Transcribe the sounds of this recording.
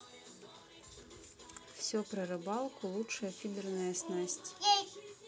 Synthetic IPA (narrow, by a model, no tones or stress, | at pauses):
fsʲɔpɾɐɾɨbɑlˠkulˠutʂɐjɐfʲid̪ɨrnɐjɐsnasʲt͡sʲ